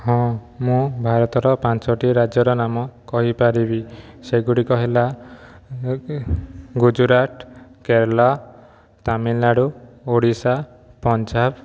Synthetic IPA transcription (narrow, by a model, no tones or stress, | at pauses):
hɔ̃mũbʱaɾɔt̪ɔɾɔpãnt͡ʃɔʈiɾad͡ʒjɔɾɔnamɔkɔɦipaɾibi | seɡuɽikɔɦila | ɡud͡ʒuɾaʈkeɾlɔ | t̪aminːaɽuoɽisa | pɔnd͡ʒab